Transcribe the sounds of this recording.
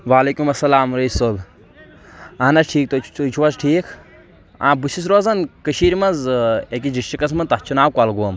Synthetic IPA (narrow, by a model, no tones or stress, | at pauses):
ʋaːleːkumɐsːɐlaːmɾɐisoːb | anɐʈʰiːk̚t̪ot͡ʃt͡ʃt͡ʃʰuwɐsʈʰiːkʰ | ã̰ːbusis̬ɾoːzɐnkəʃiːɾʲimɐnzek̬id͡ʒiʃʈikɐs̬mɐnt̪ɐt͡ʃʰunaːwkwalɡum